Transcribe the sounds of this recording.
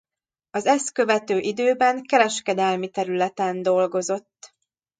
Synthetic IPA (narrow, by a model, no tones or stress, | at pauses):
ɒzɛst̪kø̞vɛt̪øːʔid̪øːbɛŋkɛɾɛʃkɛd̪ɛlmit̪ɛɾylɛt̪ɛnd̪o̞lɡo̞zo̞t̪ː